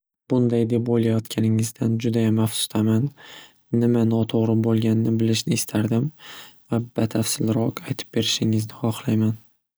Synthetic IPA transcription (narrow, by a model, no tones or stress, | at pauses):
b̥ʊnd̪ajd̪e̞pbolˠajɒt̪kʲʰanɪŋɪzd̪and͡ʒʊd̪ajamafsʊ̥st̪ʰamanː | ɪmanɒt̪ʰoʁɾɪbolˠɡʲanɪnɪbɪlɪʃnɪːst̪ʰaɾd̪ɪmvab̥at̪ʰafsɪlɾɒqajt̪ʰɪ̥p̚be̞ɾɪʃɪŋɪznɪχɒχlˠajman